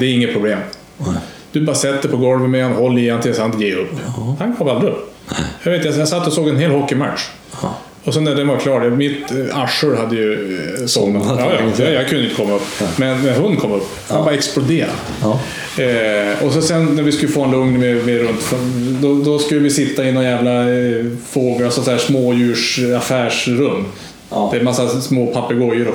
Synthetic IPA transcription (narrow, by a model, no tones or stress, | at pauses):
d̪ɛːɾɪŋːət̪̚pʰɾʊbleːm | d̪̥ɵbɑːɾasɛt̪ːəɾpʰɔɡɔlvəmɛhanhɔlːɪjɛnt̪lɪɡənsant̪ɡɛɵpːhankʰɔːald̪ɾɪɵpːjɑveːt̪t̪jajasat̪ːɔsoːɡɛnɦeːlhɔkːɪmat̪ʂ | ɔsɔnːæɖɛnʋvaɾkʰlɑːʈjɑmɪt̪aʂəɾɦad̪ːəjɵsɔnaɑːjɑɑjɑɡkʰɵnəʏɪnt̪əkʰɔmːaɵpːmɛnmɛnhʊnd̪kʰɔmːɵpːhnbɑɾaɛksplʊd̪eːɾa̰ | ɔsɔsɛnnæɾvɪskɵlːəfoːhanlɵŋnmemeɾɵnt̪fɔd̪ɔd̪ɔskɵlːəvɪsɪt̪ːaɪnːɔjæːvla | foːɡalsɔsæːʂmoːjʉ̟ːʂafæːʂɾɵmː | d̪ɛmasːasmoːpʰapːəɡɔjəɾɔ